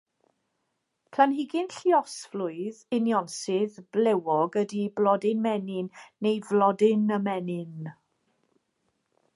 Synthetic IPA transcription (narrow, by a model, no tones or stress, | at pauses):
pʰlanhɪɡɪnɬiɔsflʊɨðɪnjɔnsɪðblɛwɔɡədiblˠɔdɪnmɛnɪnːejvlɔdɪnəmɛnɪn